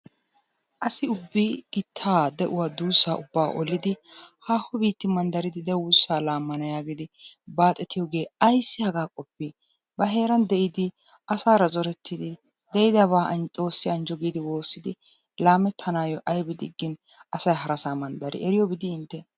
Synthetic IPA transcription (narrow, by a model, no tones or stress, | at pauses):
ʔɐsɪʊbːiɡ̥ɪt̪ʰːaːd̪ɛʔʊwaːd̪uːsːaːʔʊbːa̰ːʔɔlɪd̪ɪhaːhːɔbiːt̪ːɪmɐnd̪ɐɾɪd̪ɪd̪ɛwʊsːaːlaːmːɐnɐjaːɡɪd̪ɪbaːt̪ʼɛt̪ɪjɔɡe̞ːɐjsːɪhɐɡaːkʼɔpːi | bɐɦe̞ːɾɐnd̪ɛʔɪd̪ɪ | ʔɐsaːɾɐzɔɾɛt̪ːɪd̪ɪ | d̪ɛjɪd̪ɐβaːʔʼo̞ːsːɪɐnd͡ʒɔɡiːd̪ɪwo̞ːsːɪd̪ɪ | laːmɛt̪ʰːɐnaːjɔʔɐjbɪd̪ɪɡːɪn | ɐsɐjɦɐɾɐsaːmɐnd̪ɐɾɪ̰ʔɛɾɪjɔbɪd̪ɪɪnt̪ːɛ